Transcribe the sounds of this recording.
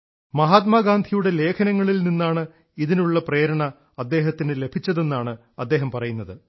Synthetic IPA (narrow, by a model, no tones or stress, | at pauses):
mɐɦaːt̪̚maːɡaːnd̪ʱijuɽe̞le̞ːkʰɐnɐŋːɐɭilninːaːɳɨ | iðinuɭːɐpreːɾɐɳɐ | ɐd̪ːe̞ːɦɐt̪ːinɨle̞bʰʱit͡ɕːɐðe̞nːaːɳɨ | ɐd̪ːe̞ːɦɐmpɐrɐjunːɐðɨ